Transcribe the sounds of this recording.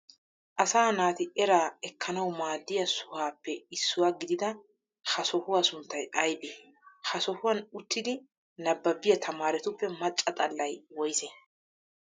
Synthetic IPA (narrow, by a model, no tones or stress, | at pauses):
ʔɐsaːnaːt̪ɪʔɛɾaːɛkʰːɐnɐwmaːd̪ːɪjɐsʊhaːpːɛɪsːʊwaːɡɪd̪ɪd̪ɐ | hɐsɔhʊwasʊnt̪ːɐjʔɐjbe | hɐsɔhʊwɐnʊt̪ːɪd̪ɪ | nɐbːɐbːɪjɐt̪ʰɐmaːɾɛt̪ʊpːɛmɐt͡ʃʼːɐt̪ʼɐlːɐjwɔjsɛ